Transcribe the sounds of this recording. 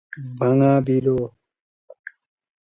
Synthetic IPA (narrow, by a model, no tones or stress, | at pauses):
bʱɐŋaːbiɾoː